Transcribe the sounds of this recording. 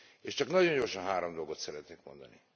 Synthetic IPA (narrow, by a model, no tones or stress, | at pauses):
eːʃt͡ʃɒknɒɟo̞ɲɟo̞rʃɒnɦaːɾomd̪o̞lɡo̞t̪sɛɾɛt̪neːkmo̞̰nd̪ɒni